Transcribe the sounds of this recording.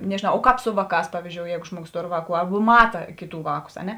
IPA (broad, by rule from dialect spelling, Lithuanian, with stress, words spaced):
nʲɛʒʲɪˈnɐʊ oː ˈkɑːp ˈsʊ ʋɐˌkɑːs ˈpɑːʋʲɪzʲd͡ʒʲoːʊ ˈjɛɪɡʊ ˈʒmuɔˌɡoːs ˈtoːr ˈʋɑːˌkuː ˈɐrbʊ ˈmɑːtɐ ˈkʲeːˌtuː ˈʋɑːˌkʊs ɐ ˈnʲɛ